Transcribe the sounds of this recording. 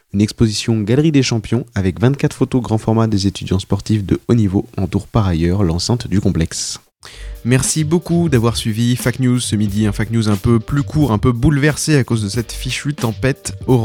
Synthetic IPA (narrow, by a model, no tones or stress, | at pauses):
ynɛkspozisjɔ̃ɡalʁid̪eʃɑ̃pjɔ̃avɛkvɛ̃t̪kat̪χfot̪oɡʁɑ̃fɔʁmad̪ezet̪yd̪jɑ̃spɔʁt̪ifd̪əonivoɑ̃t̪uʁpaʁajœʁlɑ̃sɛ̃t̪d̪ykɔ̃plɛks | mɛʁsibokud̪avwaʁsɥivifaknjuzsəmid̪iɛ̃faknjuzɛ̃pøplykʰuʁɛ̃pøbulvɛʁseakozd̪əsɛt̪fiʃyt̪ɑ̃pɛt̪ɔʁ̃